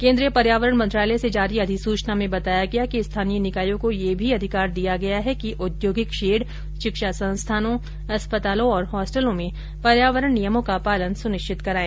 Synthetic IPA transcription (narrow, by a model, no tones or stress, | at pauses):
kẽːnd̪ɾijəpɐɾjaːʋəɾəɽ̃mɐ̃nt̪ɾaːlesed͡ʒaːɾiɐd̪ʱɪsuːt͡ʃnamẽbɐt̪aːjaɡɐjakist̪ʰaːnijənɪkaːjõkojebʱiɐd̪ʱɪkaːɾd̪ijaɡɐjaɦɛkiʔʊd̪joːɡɪkʃeːɖ | ʃɪkʃasɐ̃nst̪ʰaːnõ | ɐspət̪aːlõɔːɾɦɔːsʈəlõmẽ | pɐɾjaːʋəɾəɽnijəmõkapaːlənsʊnɪʃt͡ʃʰɪt̪kɐɾaːẽː